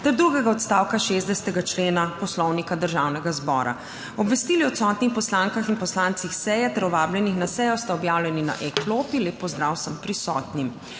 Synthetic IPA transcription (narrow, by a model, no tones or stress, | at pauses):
t̪ɛɾd̪ɾuɡɛɡaɔt̪st̪aːwkaʃezd̪ɛsɛ̥t̪ɛɡat͡ʃleːnapɔslɔwnikad̪əɾʒaːwnɛɡazbɔ̰ːɾʔa̰ | ɔbʋɛst̪iːliɔt̪sɔːt̪nixpɔslaŋkaxinpɔslant̪sixsɛjɛt̪ɛɾɔʋaːbljɛnixnasɛjɔst̪aɔbjaːwlʲjɛnina̰ʔɛklopileːpːɔzd̪ɾawsəmpɾisɔ̰ːt̪nim